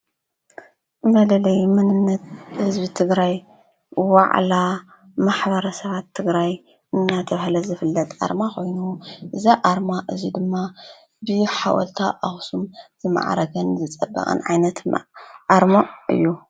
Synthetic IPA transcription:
mɐlɐlɐjmɨnɨnːɐt̪̚hɨzbit̪ʰɨɡɾaj | wa̰ʕla | maħβɐɾɐsɐβat̪ʰːɨɡɾaj | ʔɨnːat̪ʰɐβhlɐzɨfɨlːɐt̪ʼʔa̰ɾmakʰo̞jnuʔɨzaʔaɾmaʔɨzid̪ɨmːa | bɨħa̰wʔɔ̰lt̪ʰaʔaxsumzɨma̰ʕa̰ɾɐɡɐnzɨt͡sʼɐbːɐ̰χʼɨ̰nʕa̰jnɐt̪ʔaɾmoʔɨ̰jːu

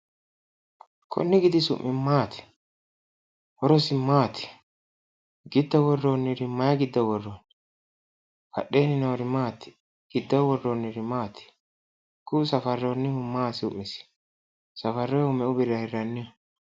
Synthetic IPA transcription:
kʰɔ̰nːɪɡɪd̪ɪsʊ̰ʔːɪmaːt̪ɪ̥ | hɔɾɔsɪmaːt̪ʰɪ̥ | ɡɪd̪ːɔwɔrːonːɪɾɪmɐjɐɡɪd̪ːɔwɔrːɔn | kɐ̰ɗːeːnːɪnɔɔɾɪmaːt̪ːɪ̥ | ɡ̥ɪd̪ːɔwɔrːonːɪɾɪmaːt̪ɪ̥ | kʊsɐfɐrːɛɔnːɪhʊmːaːsʊʔːɪsɪ̥ | sɐfɐrːɛʊmɛʔʊbɪɾɐhɪrːɐnːɪ

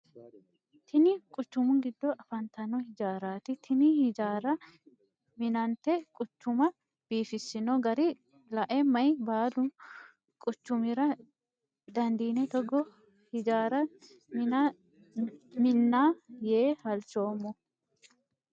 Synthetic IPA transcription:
t̪ʰɪnɪkʼʊt͡ʃːʊmʊnɡɪd̪ːɔʔɐfɐnt̪ɐnɔhɪd͡ʒaːɾaːt̪ɪt̪ʰɪnɪhɪd͡ʒaːɾɐ | mɪnɐnt̪ɛkʼʊt͡ʃːʊmɐ | b̥iːfɪsːɪnoɡɐɾɪ | lɐʔɛmɐjbaːlʊ | kʼʊt͡ʃːʊmɪɾɐ | d̪ɐnd̪iːnɛt̪ɔɡɔ | hɪd͡ʒaːɾɐ | mɪnːaːjeːhɐlt͡ʃoːmːɔ

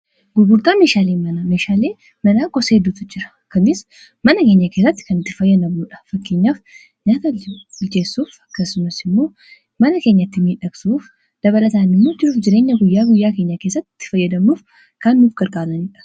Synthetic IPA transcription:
ɡʊɡʊɾt̪aːme̞ːʃaːleːmɐnɐmeːʃaːle̞ː | mɐnaːɡɔseːd̪ut̪ʊd͡ʒɪɾɐ̥ | kɐnɪs | mɐnɐkeːɲːɐke̞ːs̬ːɐt̪ːɪ̥kɐnɪt̪ːɪfɐjːɐd̪ɐmːuːᶑɐ̥fɐkːe̞ːɲːaːf | ɲaːt̪ɐʊlt͡ʃe̞ːsːuːfɐkːɐsʊmɐsɪmːo̞ː | mɐnɐke̞ːɲːɐt̪ːɪmiːᶑɐksuːf | d̪̥ɐβɐlɐt̪aːnɪmːoːd͡ʒɪɾuːfd͡ʒɪɾe̞ːɲːɐɡʊjːaːɡʊjːaːke̞ːɲːɐke̞ːsːɐt̪ːɪ̥t̪ːɪ̥fɐjːɐd̪ɐmːuːf | kɐnːuːfɡɐɾkʼaːlɐniᶑɐ̥

